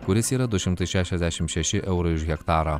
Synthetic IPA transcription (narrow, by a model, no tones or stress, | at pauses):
kʊɾʲɪsiːɾɐd̪ʊʃʲɪmt̪ɐɪʃʲæːʃʲɛzʲd̪ʲæʃʲɪmʃʲɛʃʲɪʔɛʊɾɐɪʊʒɣʲɛkt̪ɑːɾɐ